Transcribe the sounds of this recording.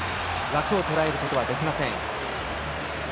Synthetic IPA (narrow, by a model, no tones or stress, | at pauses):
ɾakɯ̟o̞t̪o̞ɾae̞ɾɯ̟ko̞t̪o̞βad̪e̞kʲimasẽ̞ŋ